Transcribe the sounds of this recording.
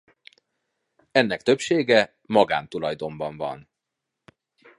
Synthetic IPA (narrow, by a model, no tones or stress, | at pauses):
ɛn̪ːɛkt̪ø̞pʃeːɡɛ | mɒɡa̰ːnt̪ulɒjd̪o̞ɱbɒɱvɒ̰n